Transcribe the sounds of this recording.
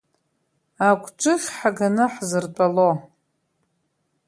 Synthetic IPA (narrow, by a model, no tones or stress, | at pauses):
akʷʼʰʈ͡ʂʷʼɨχʲħaɡanɨħzɨrt͡pʼalo